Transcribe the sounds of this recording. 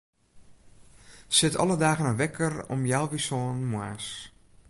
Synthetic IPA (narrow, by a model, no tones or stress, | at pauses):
sɪtʰɔ̰lˠədaːɣənəʋɛkʰərɔ̰mjawʋisoːnmwaːs